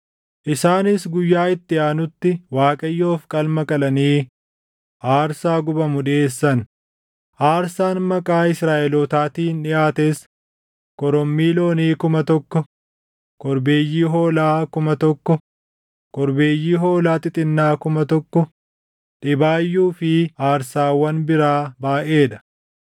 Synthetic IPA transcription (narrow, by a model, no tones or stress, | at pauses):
ʔɪsaːnɪsɡʊjːaːɪt̪ːɪaːnʊt̪ːɪwaːkʼɐjːo̞ːfkʼɐlmɐkʼɐlɐniː | ʔaːɾsaːɡʊbɐmʊᶑɪeːsːɐn | ʔaːɾsaːnmɐkʼaːɪsɾaːʔɛloːt̪aːt̪iːnᶑɪʔaːt̪eːs | kʼɔɾɔmːiːlo̞ːniːkʊmɐt̪ɔkːɔ | kɔɾbe̞ːjːiːɦo̞ːlaːkʊmɐt̪ɔkːɔ | kɔɾbe̞ːjːiːɦo̞ːlaːt̪ʼɪt̪ʼɪnːaːkʊmɐt̪ɔkːɔ | ᶑɪbaːjːuːfɪaːɾsaːwɐnbɪɾaːbaːʔe̞ːᶑɐ̥